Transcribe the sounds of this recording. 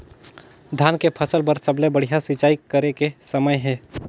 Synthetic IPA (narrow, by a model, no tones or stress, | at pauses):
d̪ʱjaːnkepʰəsəlpəɾsəblebəɽ̤ijasɪt͡ʃaːikəɾekesɐməjɦɛ̃ː